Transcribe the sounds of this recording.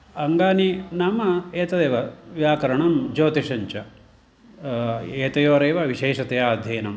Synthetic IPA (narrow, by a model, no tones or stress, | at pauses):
ɐŋɡaːninamɐeːt̪ɐd̪eːʋɐʋjaːkɐɾɐɳɐmd͡ʒoːt̪iʃɐɲt͡ʃɐ | eːt̪ɐjoːɾeːʋɐʋiʃeːʃɐt̪ɐjaːd̪ʱjɐːnɐm